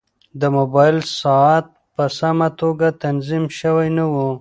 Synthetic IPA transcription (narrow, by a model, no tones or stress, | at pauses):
d̪əmobɑjɪlsɑat̪̚pəsamat̪oɡat̪anzimʃəwajnawu